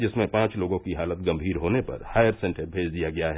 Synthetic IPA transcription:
d͡ʒɪsmẽpãːt͡ʃloːɡõkiɦaːlət̪̚ɡɐ̃mbʱiːɾɦoːnepɐ̰ɾhaːjəɾsɛ̃ɳʈəɾbʱeːd͡ʒd̪ijaɡɐjaɦɛː

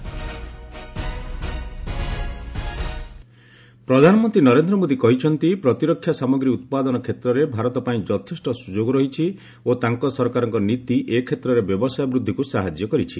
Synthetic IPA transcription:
pɾɔd̪ʱanɔmɔnt̪ɾinɔɾend̪ɾɔmod̪ikɔɦit͡ʃʰɔnt̪ipɾɔt̪iɾɔkʰːjasamɔɡɾiut̪̚pad̪ɔnɔkʰet̪ɾɔɾebʱaɾɔt̪ɔpaĩd͡ʒɔt̪ʰesʈɔsud͡ʒoɡɔɾɔɦit͡ʃʰi | ot̪aŋkɔsɔɾkaɾɔŋkɔnit̪iʔekʰet̪ɾɔɾebjɔbɔsajɔbɾud̪ʱːikusaɦad͡ʒjɔkɔɾit͡ʃʰi

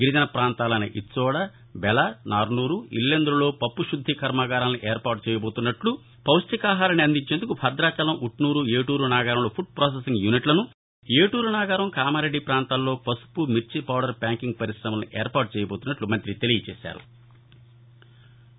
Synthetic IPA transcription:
ɡiɾit̪ɐnɐpɾaːnt̪aːlɐnḭʔisɔːɽa | bɛlanaːɾnuːɾuḭlːend̪ɾulo̞ːpɐpːuʃud̪ʱːikʰɐɾmaːɡaːɾaːnniʔeːɾpaːɾʈ̚t͡ʃɛːjɐbo̞ːt̪unːɐʈlu | pɐwsʈ̪ikaːɦaːɾɐniɐnd̪iɲt͡ʃe̞ːnd̪ukupʰɐd̪ɾaːt͡ʃɐlɐmʔuʈnuːɾueːʈuːɾunaːɡaːɾɐmloːpʰuɖ̚pɾoːs̬esiŋɡjuniʈlɐnu | eːʈuːɾunaːɡaːɾɐmkaːmɐɾeɖːipɾaːnt̪aːllo̞ːpɐsu̥pumiɾt͡ʃipawɖɐɾpʲaːŋkiŋɡ̚pɐɾisɾɐmɐmniʔeːɾpaːɾʈ̚t͡ʃɛːjɐboːt̪unːɐʈlumɐnt̪ɾit̪elijɐt͡ʃɛ̰ːʃa̰ːɾṵ

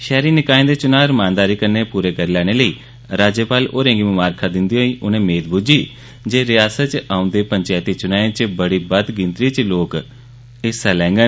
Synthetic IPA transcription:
ʃɛːɾiːnɪkaːẽːd̪eːt͡ʃʊnãːɾmãːnd̪aːɾiːkəɾneːpuːɾeːkəɾeːlɛːɽ̃eːləiː | ɾaːd͡ʒepaːlo̰ːɾẽːŋɡiːmʊmaːɾkʰaːd̪ɪnd̪iːɦoːiːʔʊnẽːmeːt̪bʱud͡ʒiː | d͡ʒeːɾɪjaːsət̪t͡ʃʔãːʊ̃nd̪eːpəɲt͡ʃaːt̪iːt͡ʃʊnaːẽːt͡ʃəbəɽiːbəd̪ɡɪ̃nt̪ɾiːt͡ʃloːk | ɪsaːlɛ̃ːŋɡə

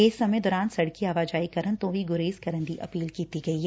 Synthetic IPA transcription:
esɐməjd̪ɔːɾaːnsɐɽkiaːʋaːd͡ʒaːikɐɾə̃nt̪õʋiɡʊɾeːskɐɾə̃nd̪iʔɐ̰piːlkiːt̪iɡɐi

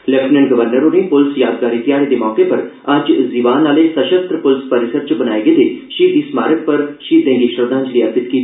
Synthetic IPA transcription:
lɛpʰnɛɳɡəʋəɾnəɾõnepʊlsjaːd̪ɡaːɾiːt̪ɪjaːɽeːd̪eːmɔːkepɐɾɐd͡ʒziːʋaːnaːlesəʃəst̪ɾəpʊlspəɾɪsəɾt͡ʃbənaːeːɡed̪eːʃiːɾd̪iːsmaːɾək̚pɐɾʃiːɾd̪ɛ̃ːŋɡiːʃɾəd̪ãːɲt͡ʃliːəɾpɪt̪kiːt̪ː

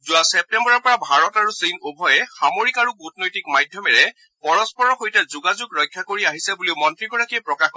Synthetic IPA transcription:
zuasɛp̚tɛmbɔɹɔɹpɔɹabʱaɹɔtaɹusinobʱɔjɛxamoɹikaɹuɡutnojtikmajdʱjɔmɛɹɛ | pɔɹɔspɔɹɔxojtɛzuɡazuɡɹɔjkʰːjakoɹiaɦisɛbuliʊmɔntɹiɡɔɹakiɛpɹɔkaxkɔ

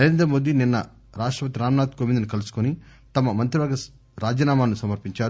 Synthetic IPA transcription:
nɐɾeːnd̪ɾɐmo̞ːd̪ininːɐ̰ | ɾaːʂʈɾɐpɐt̪̬iɾaːmɐnaːd̪̚koːʋind̪ɐnukɐlusu̥koni | t̪ɐmɐmɐnt̪ɾiʋɐːɡɐ | ɾaːd͡ʒɐːnaːmaːnusɐmɐɾpiɲt͡ʃaːɾu

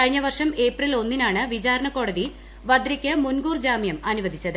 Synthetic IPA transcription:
ɐɻiɲːɐʋɐrʂɐme̞ːprilo̞nːinaːɳɨʋid͡ʑaːɾɐɳɐko̞ːɽɐði | ʋɐd̪ɾikʲːɐmunɡuːrd͡ʑaːmjɐmɐnuʋɐd̪ʱit͡ɕːɐðɨ

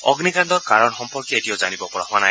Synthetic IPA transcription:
ɔ̰ɡnikandɔɹkaɹɔnxɔmpɔɹkjɔetijɔzanibɔpɔɹaɦwana

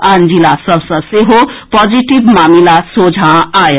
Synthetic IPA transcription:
and͡zilasʌbsʌ̃seɦopɔd͡ziʈibmamilasod͡zʱãaj

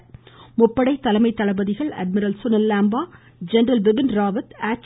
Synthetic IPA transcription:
mʊpːɐɽɐɪt̪ːɐlɐmɐɪt̪ːɐɭɐbɐðɪɣɐɭɐ̰ɖ̚mɪɾɐlsʊnɐlːaːmbaː | d͡ʒɛnɾɐlʋɪbɪnɾaːʋɐt̪aːt͡ʃ

